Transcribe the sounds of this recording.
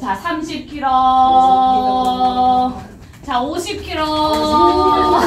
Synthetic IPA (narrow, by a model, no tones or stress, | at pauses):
t͡ɕasʰamɕʰip̚kʰiɾʌ | t͡ɕaoɕʰip̚kʰiɾʌ